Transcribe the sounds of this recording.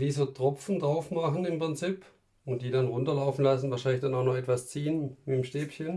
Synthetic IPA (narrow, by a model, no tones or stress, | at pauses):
iːzoːtʁ̥ɔp͡fn̩dʁaʊfmaχn̩ɪmpʁ̥ɪnt͡siːp | ʊnt̚d̥iːɾanʁʊntɐlaʊfn̩lasn̩vaːʃ̬aɪnlɪçd̥anaʊxnɔχɛtv̥ast͡siːənmɪtmʃteːpçən